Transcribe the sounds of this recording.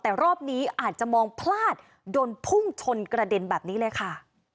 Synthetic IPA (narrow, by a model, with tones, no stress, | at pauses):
t̪ɛː˨˩ɾɔː˥˩p̚niː˦˥ʔaː˨˩t̪̚t͡ɕa˨˩mɔː˧ŋpʰlaː˥˩t̪̚ | doː˧npʰu˥˩ŋt͡ɕʰo˧nkɾa˧de˧nbɛː˨˩p̚niː˦˥lɤː˧jkʰa˥˩